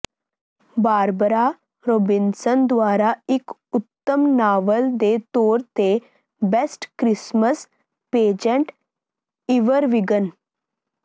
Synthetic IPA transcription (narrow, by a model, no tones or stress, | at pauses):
baːɾbəɾa | ɾoːbinsənd̪ʋaːɾaɪkʊt̪ːəmnaːʋəld̪et̪oːɾt̪e | besʈkɾɪsməs | peːd͡ʒəɳʈ | iʋəɾʋiɡən